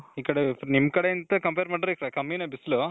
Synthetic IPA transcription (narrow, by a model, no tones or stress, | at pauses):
iːkɐɽenimkɐɽeint̪ɐkɐmpeːɾmaːʈɾikɐɽekɐmːinɐbislu